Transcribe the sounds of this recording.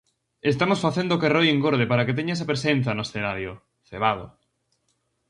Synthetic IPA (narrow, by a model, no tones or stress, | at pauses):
est̪amosfaθend̪okerojeŋɡoɾð̞epaɾaket̪eɲaes̬apɾesen̟θanoesθenaɾjo | θeβaðo̰